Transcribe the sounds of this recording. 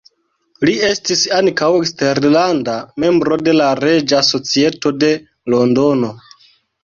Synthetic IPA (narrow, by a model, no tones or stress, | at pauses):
lie̞stisaŋkawekste̞ɾlandame̞mbɾo̞de̞laɾe̞d͡ʒaso̞t͡sie̞to̞de̞ | lo̞ndono̞